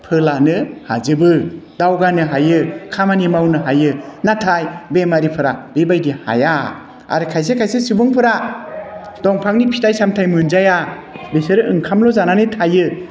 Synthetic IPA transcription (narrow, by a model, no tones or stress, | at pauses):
pʰɯlanɯha̰zɯbɯdawɡanɯɦajɯkʰamanimawnɯɦajɯnatʰajbemaɾipʰɯɾabebajdiha̰ja | a̰ɾɯkʰajs̬ekʰajsesibɯŋpʰɯɾa | dɔŋpʰaŋnipʰitajsamtʰajmɯnzaja | beseɾɯʔɯŋkʰamlɔzananɯtʰajɯ